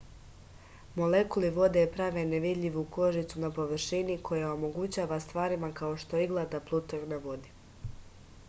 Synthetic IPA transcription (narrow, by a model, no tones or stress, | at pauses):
mo̞lekuliʋo̞d̪epɾaːʋe̞neʋid̪ʎʲiʋuko̞ʒit̪sunapo̞ʋr̩ʃinikʰo̞jao̞mo̞ɡut͡ɕaːʋast̪ʋaːɾimakao̞ʃt̪o̞iɡlˠad̪aplˠut̪oknaʋo̞d̪i